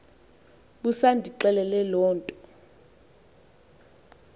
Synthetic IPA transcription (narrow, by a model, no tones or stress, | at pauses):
ɓusandʱiǁɛlɛlɛlɔːntʼɔ